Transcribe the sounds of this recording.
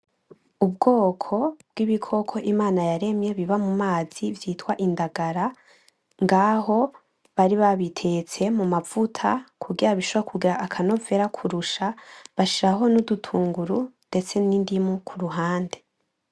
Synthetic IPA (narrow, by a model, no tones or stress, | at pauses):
ub̚ɡo̞ːkʰo̞b̚ɡ̥iβikʰo̞kʰo̞ʔimaːnajaɾe̞mje̞βiβamumaːz̥ivjiːtwaʔindaɡaɾa | ŋɡaɦo̞ | βaɾiβaβitʰe̞t͡se̞mumavutʰakʰuɡiɾaβiʃoβakʰuɡiɾaʔːkʰano̞ve̞ɾakʰuɾuʃaβaʃiɾaɦo̞nudutʰuːŋɡuɾunde̞t͡se̞nindimukʰuɾuɦaːnde̞